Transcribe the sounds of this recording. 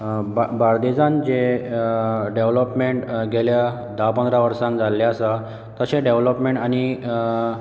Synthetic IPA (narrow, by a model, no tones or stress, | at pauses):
bbaɾd̪ed͡zãnd͡ʑe | ɖeʋləpmeɳʈɡʱelja | d̪apə̃nd̪ɾaʋəɾsãŋkd͡zalːeasa | t̪əɕeɖeʋləpmeɳʈañi